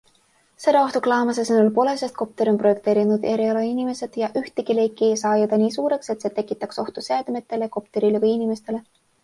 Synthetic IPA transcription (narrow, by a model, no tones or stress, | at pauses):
se̞d̪ɑo̞ht̪uklɑːmɑs̬esenulpo̞le̞se̞st̪̚ko̞p̚t̪e̞ɾiomprojek̚t̪e̞ːɾinud̪e̞ɾiolɑinime̞se̞d̪̥jɑʔyht̪eɡile̞jkːˑiesɑːjɑd̪ɑniːsuːɾe̞kse̞t̪se̞ːt̪e̞kːˑit̪ːˑɑkso̞ht̪useɑd̪̥me̞t̪ˑːe̞le̞ko̞pt̪e̞ɾilevɤjinime̞st̪e̞le̞